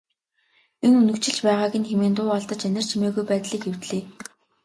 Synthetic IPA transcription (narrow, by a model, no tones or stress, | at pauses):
enunɵ̆kt͡ɕɪ̆ɬt͡ɕpæːʁaːɣĭnxʰemeːnt̪ʊːɔɮt̪ə̆t͡ɕænʲɪ̆r̥t͡ɕʰimeːɣujpæːt̪ɮiːkxew̥t̪ɮeː